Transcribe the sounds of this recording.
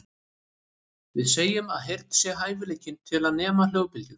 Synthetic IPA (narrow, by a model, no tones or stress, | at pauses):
vɪðseːjʏmaðɦejɾ̥t̪sjɛɦaːjvɪleːjcɪnt̪ʰɪlaðnɛːmal̥jœːwpɪljʏɾ̥